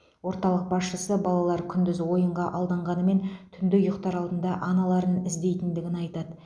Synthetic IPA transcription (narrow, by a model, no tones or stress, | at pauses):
wo̞ɾt̪ɑlˠəq̚bɑsʃəsəbɑlˠɑlˠɑɾkʲʰʏnd̪ɪzwo̞jəɴʁɑʔɑlˠd̪ɑɴʁɑnəme̞nt̪ʰʏnd̪ɪjʊqt̪ɑɾɑlˠd̪ənd̪ɑʔɑnɑlˠɑɾənɪzd̪e̞jt̪ɪnd̪ɪɡʲɪnɑjt̪ɑd̪ə